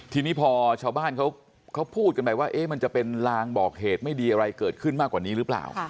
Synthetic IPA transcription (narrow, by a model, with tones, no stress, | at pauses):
t̪ʰiː˧niː˦˥pʰɔː˧t͡ɕʰaː˧wbaː˥˩nkʰa˦˥w | kʰa˦˥wpʰuː˥˩t̪̚ka˧nma˧jwaː˥˩ʔeː˦˥ma˧nt͡ɕa˨˩pe˧nlaː˧ŋbɔː˨˩k̚heː˨˩t̪̚ma˥˩jdiː˧ʔa˧ɾa˧jkɤː˨˩t̪̚kʰɯ˥˩nmaː˥˩kːwaː˨˩niː˦˥ɾɯ˦˥pla̰ː˨˩w